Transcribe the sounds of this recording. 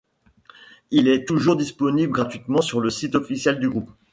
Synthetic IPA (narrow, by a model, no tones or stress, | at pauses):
ilɛt̪uʒuʁd̪ispɔnibləɡʁat̪ɥit̪mɑ̃syʁləsit̪ɔfisjɛld̪yɡʁup